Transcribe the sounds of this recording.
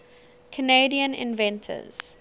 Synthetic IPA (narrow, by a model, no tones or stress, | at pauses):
kʰəneɪdiə̃nɪ̰̃nvɛ̃ntʰə̰z̥